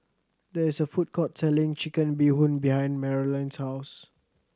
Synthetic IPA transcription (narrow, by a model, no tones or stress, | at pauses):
dɛɪsəfut̚kʰɔtsɛlɪ̃ŋt͡ʃikə̃nbihũnbihãɪ̃nmɛɹilãnshaʊs